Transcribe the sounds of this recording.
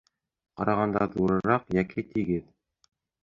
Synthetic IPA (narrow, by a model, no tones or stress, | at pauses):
qɑɾɑʁɑnd̪ɑðuɾɤ̆ɾɑqjækit̪ʰiɡɘð